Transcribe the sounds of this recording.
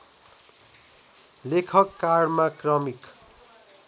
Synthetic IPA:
lekʰʌkːarmakrʌmik

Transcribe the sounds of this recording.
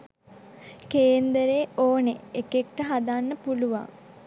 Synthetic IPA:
keːnd̪əɾeoːneekek̚ʈəɦad̪anːəpuluʋa̰ŋ

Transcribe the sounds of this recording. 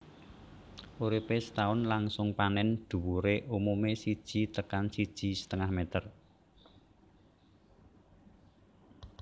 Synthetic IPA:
ʔoɾipest̪aʊnlaŋsʊŋpanɛnd̪̥ṳwuɾeʔumumesid̥ʒ̥i̤t̪əkansid̥ʒ̥i̤sə̥t̪əŋahmet̪ər

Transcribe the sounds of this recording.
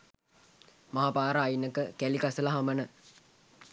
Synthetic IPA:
maɦapaːɾəajnəkəkælikasəlɐɦamənə

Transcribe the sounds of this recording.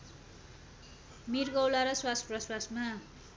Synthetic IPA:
mirɡʌwlaɾʌswasprʌswasma

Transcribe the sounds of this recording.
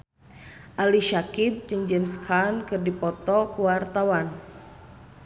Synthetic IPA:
ʔaliʃakit̪̚d͡ʒɨŋd͡ʒɛmskʰankɨrdipɔt̪ɔkuwart̪awan

